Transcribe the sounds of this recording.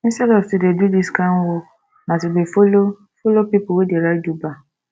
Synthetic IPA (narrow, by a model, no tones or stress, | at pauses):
ĩsɛlɔtidedudiskanwɔ | mãsɪbefolo | folopipʊwedieɾad͡ʒuba